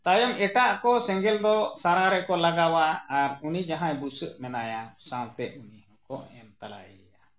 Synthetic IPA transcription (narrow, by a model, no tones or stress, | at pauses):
t̪ajɔmɛʈaʔkɔsɛ̃ŋɡɛld̪ɔsaɾaɾɛkɔlaɡawaːɾunid͡ʒaɦãjbusəʔmɛnajasãw̃t̪ɛʔunihɔ̃kɔɛnt̪ala̰jɛ̰ɛ̰ja